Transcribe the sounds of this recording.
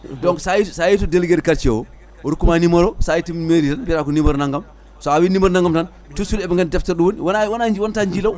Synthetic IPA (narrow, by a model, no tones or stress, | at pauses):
dɔŋksajisajitudelɡeɾkɐɾt͡ʃewo | woɾukumanimɐɾosajitimeɾitɐnpiɾakunimɐɾnɐŋɡɐm | soawinimɐɾnɐŋɡɐmtɐn | tusulɛbŋɡɐndɛftɐɾduwonwnwɐnawɐntaɲd͡ʒilɐw